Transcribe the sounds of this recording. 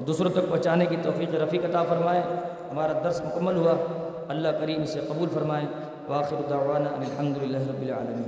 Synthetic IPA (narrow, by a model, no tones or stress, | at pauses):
ɔd̪uːsɾõt̪ɐk̚pɐ̃ɦt͡ʃaːnekit̪ɔːfiːqiɾɐfiːqɐt̪aːfɐɾmaːẽː | ɦɐmaːɾad̪ɐɾsmʊkɐmːəlɦua | ɐlːaɦkɐɾiːmɪseqɐbuːlfɐɾmaːẽː | ʋɐaːxɪɾʊd̪aʋaːnaːɐnɪlħɐmd̪ʊlɪlːaːɦɾɐbːɪla̰ːlɐmiːn